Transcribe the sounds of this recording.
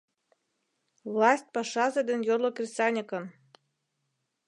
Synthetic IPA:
vlˠɑsʲt̚ʲpɑʃɑzĕd̪ɘ̆njorlŏkʲrʲsɑnʲĕkɤ̆n

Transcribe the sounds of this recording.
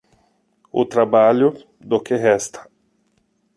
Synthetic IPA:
ʊ̰t̪ɾabaʎʊ | d̪ʊkɪɦɛst̪ʰɐ̥

